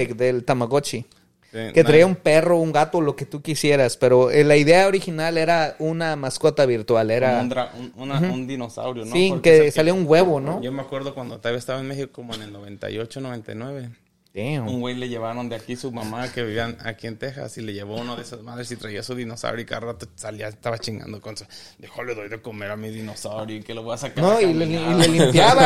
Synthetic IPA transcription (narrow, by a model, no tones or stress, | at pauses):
d̪elt̪amaɣot͡ʃi | iket̪ɾaiaumperouŋɡat̪oloket̪ukisjeɾaspeɾoelaiðeaoɾixinaleɾaunamaskot̪aβiɾt̪waleɾanɾaununaund̪inosa̰wɾjonosikesaljouŋɡweβonoʝomeakweɾðokwand̪ot̪alβjeaest̪aβaenmexikokomoenelnoβent̪a̰jot͡ʃonoent̪a̰jnweβe | t̪eouŋɡwejleʝeβaɾond̪eakisumamakeβiβiana̰kient̪exa̰sileʝeβounaðeesasmaðɾesit̪ɾaiasuðinosa̰wɾjoika̰ɾt̪at̪osaliaest̪aβat͡ʃiŋɡa̰nd̪okonso | d̪exoleðojðekomeɾamiðinosawɾjokeloβojasaknoileiilelimpjaβa